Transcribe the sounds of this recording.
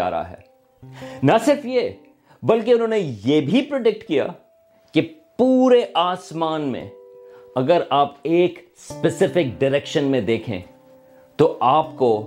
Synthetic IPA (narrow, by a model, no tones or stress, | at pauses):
a̰ːɾa̰ɦɛ̰ː | nɐsɪɾfje | bɐlk̬eʊnɦõːnejebʱipɾɐɖɪk̚ʈkija̰ː | kepuːɾeʔaːsmaːnmḛ̃ɐɡəɾaːpeːk | spɛsɪfɪk̚ɖɪɾɛkʃənmẽd̪eːkʰḛ̃ː | t̪oʔaːpko